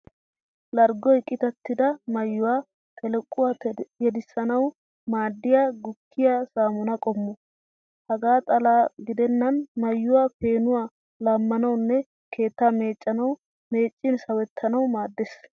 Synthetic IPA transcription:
lɐɾɡɔɪkʼːɪt̪ɐt̪ːɪd̪ɐmɐjːʊwaː | t̪ʰʼɛlɛkʼːʊwaːjɛd̪ɪsːɐnɐw | maːd̪ːɪjaːɡʊkːɪjasaːmʊnɐkʼɔmːɔ | hɐɡaːt̪ʼɐlaːɡɪd̪ɛnːɐnmɐjːʊwaːpe̞ːnʊwaː | laːmːɐnɐwnːɛ | kʰe̞ːt̪ːaːme̞ːt͡ʃʼːɐnɐw | me̞ːt͡ʃʼːɪnsɐwɛt̪ʰːɐnɐwmaːd̪ːes

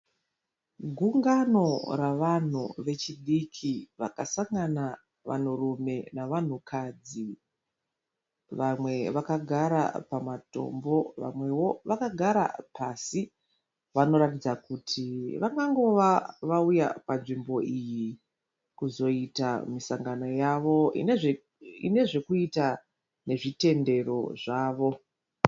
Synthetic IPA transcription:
ɡʱuŋɡano̞raʋan̤ṵʋe̞t͡ʃiɗikʰiʋakasaŋɡana | ʋa̰n̤urume̞naʋan̤ukʰad͡zi | ʋamwe̞ʋakaɡʱaɾa̰pamato̞̰mbo̞ʋa̰mwe̞wo̞ʋakaɡʱaɾa̰pʰasi | ʋano̞ɾatid͡zakutʰiʋaŋɡaŋɡo̞ʋaʋauja̰panʐimbo̞ʔiji | kuzo̞itamisaŋɡano̞jaʋo̞ḭneʐ | ḭne̞ʐe̞kuita | ne̞ʐite̞nde̞ro̞̰ʐaːʋo̞

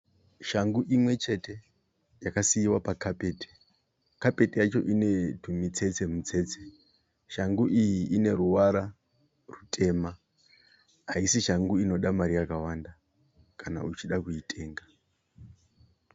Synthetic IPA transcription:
ʃaŋɡuʔimwe̞t͡ʃe̞te̞ | jakasiiwapakʰape̞ːti̥ | kape̞tijat͡ʃo̞ʔine̞tʰumit͡se̞t͡se̞mut͡se̞t͡se̞ | ʃaŋɡuʔijiʔine̞ɾuwaɾa | rutʰʼe̞ma | ɦaisiʃaŋɡuino̞ɗamaɾijakawanda | kana̰ut͡ʃiɗakuitʰʼe̞ːŋɡa

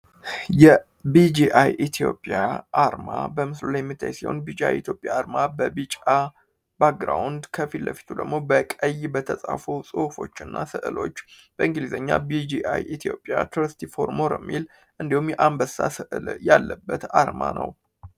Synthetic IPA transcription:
jɛ | bid͡ʒiʔajʔit̪ʰijo̞̰pʼjaʔaɾmabəmɨslulajɛmːit̪ʰːa̰jsiho̰nbid͡ʒa̰jit̪jo̞pʼjaːɾmabəbit͡ʃʼa | b̥ak̚ɡɾawnd̪kʰəfilːəfi̥t̪ʰud̪ə̰ɡmo̞bəkʼəjːbət̪ʰəsʼafosʼɨfo̞t͡ʃːɨnːʔasɨʔɨlo̞̰t͡ʃːb̥əɨŋɡɨlizəɲːa̰bid͡ʒiʔajʔit̪ʰijo̞pʼjat̪ʰuɾst̪ʰifo̞ɾmoɾəmːil | ʔɨnd̪ihumjɛʔambəsasɨʔɨljalːəbːət̪aɾmanʔə̰w

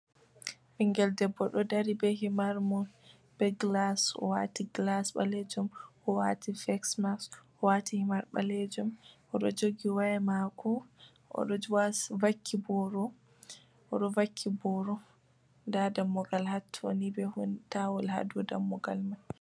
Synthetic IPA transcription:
ʔiŋɡɛldɛbːɔɗɔdaɾibɛɦimaɾmɔ | b̥ɛɡlasɔ̰wa̰tiɡlasɓa̰lɛd͡ʒɔmʔɔwa̰tifɛksmas | ɔwatihimaɾɓa̰lɛd͡ʒɔmʔɔɗɔd͡ʒoɡiwaɛmakɔ | ʔɔ̰ɗɔwasvakʰːibɔɾɔ | ʔɔɗɔvakʰːibɔɾɔ | ndadamːɔɡalhatʰːo̰nibɛhuntawɔlha̰dudamːɔɡalmaj

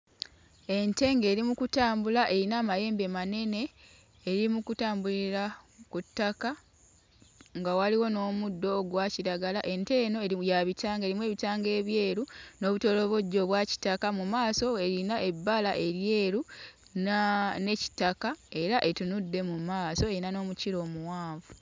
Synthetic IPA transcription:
e̞nte̞ŋɡe̞ːɾimukutaːmbulaʔe̞ɾinaːmaje̞ːmbemane̞ne̞ː | ɾimukutaːmbuliɾakutːaka | ŋɡawaliwo̞no̞ːmudːo̞ːɡwaciɾaɡalaʔe̞nte̞no̞ejaβitaːŋɡe̞ːɾimwe̞ːβitaːŋɡe̞ːβje̞ːɾuno̞ːβuto̞lo̞βo̞ɟːo̞βwaci̥takamumaːso̞e̞ɾinaʔe̞bːalaʔe̞ɾje̞ːɾu | nne̞ci̥takae̞ɾaʔe̞tunudːe̞mumaːso̞e̞inano̞ːmuciɾo̞ːmuwaːvu

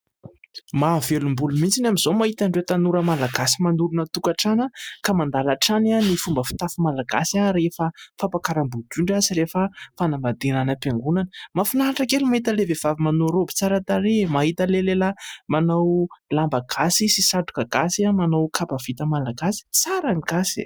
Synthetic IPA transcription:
mavelumbulumint͡sinamizomaɦit̪aɳɖ͡ʐet̪anuɾəmalaɡasimanuɾunət̪ukaʈ͡ʂanəkamand̪alaʈ͡ʂananifumbəfi̥t̪afimalaɡasiaɾefəfapakaɾambud͡ʒ̪uɳɖ͡ʐaziɾefəfanambad̪enanəpeŋɡunanəmafinaʈ͡ʂakelumaɦit̪əlevev̥avimanoɾobi̥t͡saɾat̪aɾemaɦit̪əleleləmanawlambaɡ̥asisisaʈ͡ʂu̥kaɡasiamanowkʰapav̥it̪əmalaɡasi̥t͡saɾaŋiɡasḭ

